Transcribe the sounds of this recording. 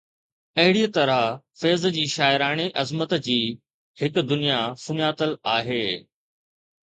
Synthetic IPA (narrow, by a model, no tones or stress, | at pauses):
ɐɦɪɽiːət̪ɐɾafeːzd͡ʑiːʃaːɪɾaːɽ̃eʔɐzmət̪d͡ʑiː | hɪkd̪ʊnijasʊɲaːt̪əlaːɦeː